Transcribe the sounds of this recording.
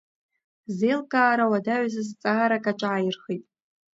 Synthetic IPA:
zelkʼaːɾawadaʕʷzɨzt͡sʼaaɾakʼaʈ͡ʂʷʼaːjɪrχijtʼ

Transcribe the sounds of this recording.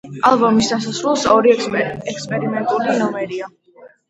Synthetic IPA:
alˠbɔmisd̪asasɾulˠsɔɾiɛkspʼɛɾimɛnt̪ʼulinɔmɛɾia

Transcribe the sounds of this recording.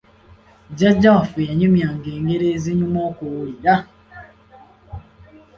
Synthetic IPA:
d͡ʒɛd͡ʒafeaɲumiaŋ̩ɡeŋeɾeziɲumɔkooiɾa

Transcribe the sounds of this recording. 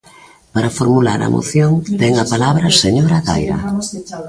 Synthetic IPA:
paɾafoɾmulaɾɐ̰mʔo̰θjoŋt̪ɛŋapalaβɾɐseɲoɾaɣa̰jɾɐ̰

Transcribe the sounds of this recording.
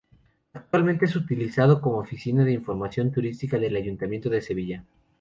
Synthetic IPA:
ak̚t̪walmẽnt̪e̞esut̪ilisað̞o̞ko̞moofisinaðeiɱfo̞ɾmasjo̞nt̪uɾist̪ikaðe̞laʝunt̪amje̞nt̪oðe̞se̞βiʝa

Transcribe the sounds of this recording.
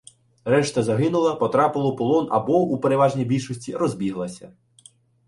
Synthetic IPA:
ɾɛʃt̪ɐzɐɦɪnʊlˠɐpɔt̪ɾɑpɪlˠɔpɔlˠɔnɐ̰bɔupeɾeʋɑʒnʲijbʲilʲʃɔsʲtʲiɾɔzʲbʲiɦlˠɐsʲɐ̰

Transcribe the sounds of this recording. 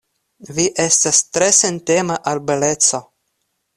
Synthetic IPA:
viʔestast̪ɾesentemaʔalbelet͡so̞

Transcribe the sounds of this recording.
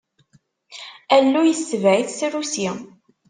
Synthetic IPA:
ælːujəsːəvʕiθsɾusi

